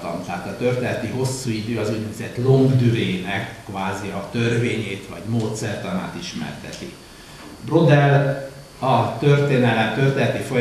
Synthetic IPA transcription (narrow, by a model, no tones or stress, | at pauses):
t̪ɒ̰mt̪ɛɦat̪ɒt̪ø̞rt̪eːnɛt̪iɦo̞sːuːid̪øːɒzuɟnɛɡzɛt̪lo̞ŋɡd̪yɾeːnɛkːvaːziɒt̪ø̞rveːɲeːt̪ʋɒɟmoːt̪sɛrt̪ɒma̰ːt̪iʃmɛ̰rt̪ɛ̰t̪i | bro̞d̪ɛl | ɒt̪ø̞rt̪eːnɛlɛmt̪ø̞rt̪eːnɛt̪ifo̞j